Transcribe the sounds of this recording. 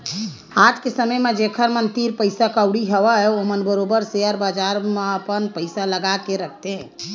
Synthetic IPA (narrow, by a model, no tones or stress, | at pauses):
at̪kesəməjmed͡ʒekʰəɾmənt̪iɾpəjsakəwɽiɦəʋəomənbəɾobəɾseəɾbad͡ʒaɾmeəpənpəɪsaləɡakeɾəkʰt̪e